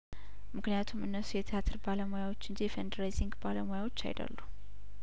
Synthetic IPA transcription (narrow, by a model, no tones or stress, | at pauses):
mɨknijat̪ʰumɨnːəsujɛt̪ʰijat̪ʰɨɾbaləmojawo̞t͡ʃːɨnd͡ʒijɛfend̪əɾajziŋɡbaləmojawo̞t͡ʃːa̰jd̪ə̰lːu